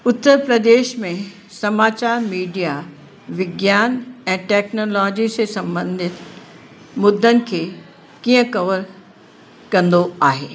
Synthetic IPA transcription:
ʊt̪ːəɾpɾəd̪eːʃmẽ | sɐmaːt͡ɕaːɾmiːɖija | ʋɪɡjaːnɛ̃ːʈɛːknoːlɔːd͡ʑisesɐ̃mbə̃nd̪ʱɪt̪ | mʊd̪ʱːənɪ̆kʰeː | kiːə̃kɐʋəɾ | kɐ̃nd̪oaːɦeː

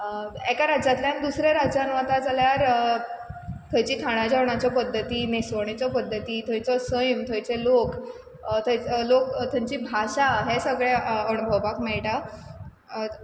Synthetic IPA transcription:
ekaɾad͡ʑat̪ljand̪usɾaɾad͡ʑanʋat̪ad͡zaljaɾ | t̪ʰəjt͡ɕiːt̪ʰaɽ̃ad͡ʑaʋɳ̃at͡ɕjapəd̪ʱːət̪iːnesʋəɳ̃it͡ɕɔpəd̪ʱːət̪iːt̪ʰəjt͡sɔsəjmt̪ʰəjt͡selok | t̪ʰəjlokt̪ʰə̃ɲt͡ɕiːbʱaɕaɦesəɡɭeənubʱəʋakmɛɭʈa

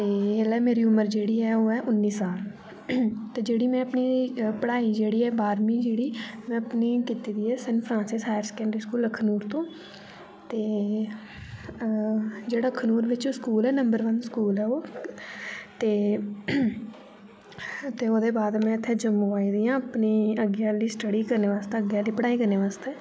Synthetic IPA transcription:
t̪eːelɛːmeːɾiːʊməɾd͡ʒeːɽiːɛːoːɛːʔʊnːiːsaːl | t̪eːd͡ʒeːɽiːmɛ̃ːəpniːpəɽaːiːd͡ʒeːɽiːɛːbaːɾmiːd͡ʒeːɽiːmɛ̃ːəpniːkiːt̪iːd̪iːɛːsənpʰɾãːnsɪsɦaːɪɾskɛ̃ːɳɖɾiːskuːləkʰnuːɾt̪õː | t̪eː | d͡ʒeːɽaːəkʰːnuːɾʋɪt͡ʃːskuːlɛːnəmbəɾʋənskuːlɛːoː | t̪eː | t̪eːoːd̪eːbaːd̪mɛ̃ːɪt̪ʰːeːd͡ʒəmũːaːiːd̪iːãːəpniːəɡjaːliːsʈəɽiːkəɾneːʋaːst̪eːəɡjaːliːpəɽaːiːkəɾneːʋaːst̪eː

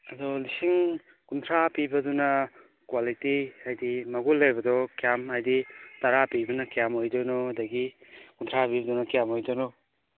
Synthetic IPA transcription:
ɐdɔlisiŋ | kuntʰɾapibɐdunɐ | kwalitiajdimɐɡulːejbɐdɔkijamajditaɾapibɐnɐkijamojdɔnɔɐdɐɡikunt̪ʰɾapibɐdunɐkijamojdɔnɔ

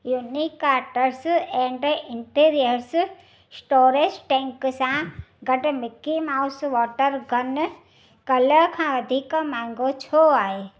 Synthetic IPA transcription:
juːnikːaːɾʈəɾsɛ̃ːɳɖɪɳʈiːɾijəɾs | sʈoːɾed͡ʒʈẽːŋksãɡɐɖmɪkːimaːusʋɔːʈəɾɡɐn | kɐləkʰãːʋɐd̪ʱikmãːŋɡot͡ʃʰoːaːɦe

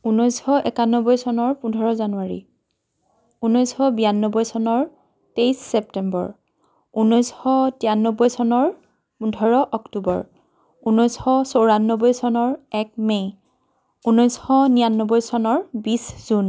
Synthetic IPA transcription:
unɔjsxɔʔɛkanːɔbɔjsɔnɔɹpundʱɔɹɔzanuwaɹḭ | unɔjsxɔbijanːɔbɔjsɔnɔɹ | tejsːɛptɛmbɔ̰ɹ | unɔjsxɔtianːɔbɔjsɔnɔɹ | pudʱɔɹɔʔɔktubɔ̰ɹ | unɔjsxɔsowɹanːɔbɔjsɔnɔɹɛk̚mej | unɔjsxɔnijanːɔbɔjsɔnɔɹbisz̥un

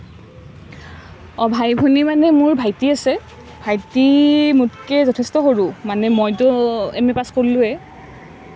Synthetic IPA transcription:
ɔbʱajbʱunimanɛmʊɹbʱajtiasɛ | bʱajtimutkɛzɔtʰɛstɔɦoɹumanɛmojtʊɛmɛpaskoɹlʊɛ

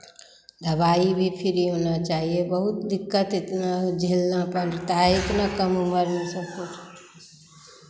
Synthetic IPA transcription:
d̪ʱəbaibʱipʰiɾiɦonət͡ʃaɦiebəɦut̪d̪ikːət̪ɪt̪nad͡ʒʱelːãpənɾt̪aɪt̪nakəmuməɾnɛsəkʰut͡ʃʰ

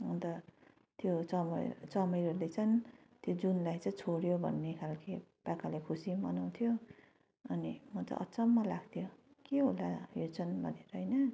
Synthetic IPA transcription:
unt̪ʌ | t̪jot͡sʌmʌt͡sʌmʌjɦʌlet͡sʰʌnt̪jod͡zunlajt͡sʌĩt͡sʰoɽjobʱʌ̰nːekʰalkʰepakalakʰusimʌnaw̃t̪ʰijo | ʌnimʌt͡sʌ̰ʔʌ̰t͡sʌmːalaɡt̪ʰjo | keɦolajot͡sʰʌnbʱʌ̰neɾʌɦʌjnʌ

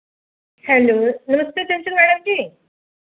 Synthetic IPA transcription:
hɛlonəməst̪et̪ãnt͡ɕəlmæɽəmd͡ʑiː

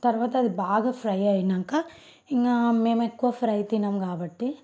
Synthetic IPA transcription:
t̪ɐɾʋaːt̪ːɐd̪ibaːɡɐfʰɾɐjɐjnɐŋkɐ | iŋɡɐmeːmekːuʋafɾɐjt̪inɐmɐɡaːbɐʈːi

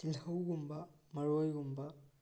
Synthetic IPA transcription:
tilhɐwɡumbɐ | mɐɾojɡumbɐ

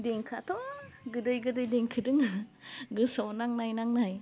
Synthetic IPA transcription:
deŋkʰatʰɔɡɯdɯjɡɯdɯjdeŋkʰɯdɯŋ | ɡɯsɔwnaŋnajnaŋnaj

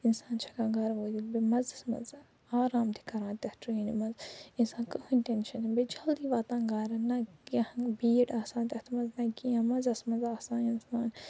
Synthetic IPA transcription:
insaːnt͡ʃʰɐkãːɡaːɾʋoːd̪ilbimɐzɐsmɐ̰z | aːɾaːmt̪ʰi̥kɐɾãːnt̪ɐhtʰuinimɐzinsaːnkɐhunʲt̪enʃɐnbed͡ʒɐld̪iːʋaːt̪ãːɡaːɾɐnɐɐhbiːɖaːsãːnt̪ʲɐht̪ʰmɐznɐkiãmɐzɐsmɐnzaːsãːninsmaːn

